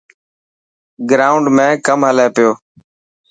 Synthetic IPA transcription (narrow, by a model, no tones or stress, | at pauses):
ɡɾaːʊɳɖmẽːkəmɦəleːpɪjoː